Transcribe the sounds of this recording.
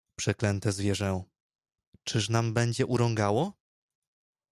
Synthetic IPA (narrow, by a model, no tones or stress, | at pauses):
pʂɛklɛnt̪ɛzvʲjɛʐɛw̃ | t͡ʂɘʂnambɛɲd͡ʑɛʔuɾɔ̃ŋɡawɔ